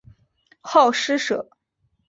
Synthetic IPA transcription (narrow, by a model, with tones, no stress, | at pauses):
xɑ˥˩ʊʂɻ̩˥ʂɤ˨˩˦